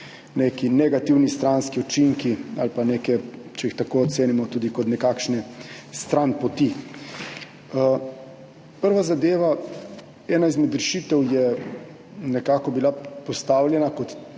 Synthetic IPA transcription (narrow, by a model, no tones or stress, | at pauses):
nekinɛɡat̪iwnist̪ɾanskiut͡ʃiŋkia̰lpaneːkɛt͡ʃɛixt̪akoɔt̪seːnimɔt̪uːd̪ikɔt̪nɛkaːkʃnɛst̪ɾanpɔt̪i | pəɾʋazad̪eːʋa | ɛːnaizmɛd̪ɾɛʃit̪ɛwjɛ | nɛkaːkɔbilapɔst̪aːwljɛnakɔt̪